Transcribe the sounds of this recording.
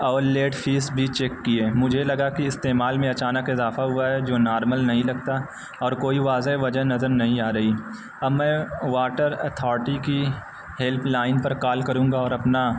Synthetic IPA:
ɔːɾleːʈfʰiːsbʱit͡ʃeːkːieːmʊd͡ʒʱelɐɡakiɪst̪eːmaːlmẽɐt͡ʃaːnəkɪzaːfaɦuaɦɛd͡ʒoːnaːɾməlnɐɦĩlɐɡt̪a | ɔːɾkoːiʋaːzeʋɐd͡ʒənɐzəɾnɐɦĩaːɾɐɦi | ɐbmɛ̃ːʋaːʈəɾɐ̰t̪ʰɔːɾʈiki | hɛlpʰlaːɪnpɐɾkaːlkɐɾũːŋɡaɔːɾɐpna

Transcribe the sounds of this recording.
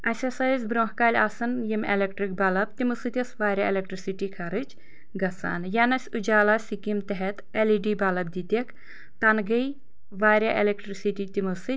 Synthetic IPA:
ɐsʲɐsaːzʲbɾoːhkaːlʲaːsɨnjimelʲekʈɾik̚bɐlɐb̚t̪ʲimɨsɨt̪ʲɐsʋaːɾʲaelʲek̚ʈɾisiʈiːkʰɐɾɨt͡ʃ | ɡɐsa̰ːnjanɐsʲud͡ʒaːlaːsʲikimt̪ɐɦet̪eliɖiːbɐlɐb̚d̪it̪ʲek | t̪ɐnɡɐj | ʋaːɾʲaʔelʲekʈɾisiʈit̪imusɨ

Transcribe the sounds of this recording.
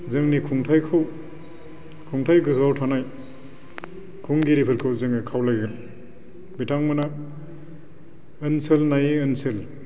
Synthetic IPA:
zɯŋnikʰuŋtʰajkʰɯw | kʰuŋtʰajɡɯawtʰanaj | kʰuŋɡiɾipʰɯɾkʰɯwzɯŋikʰawlajɡɯl | bitʰaŋmɯna | ɯnselnajɯnsel

